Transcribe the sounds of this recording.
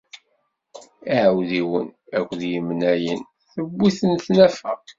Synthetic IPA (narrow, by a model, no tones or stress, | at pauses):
iʕəwðiwənækʷːðjəmnæjən | θəbːiθənθnæfæ̰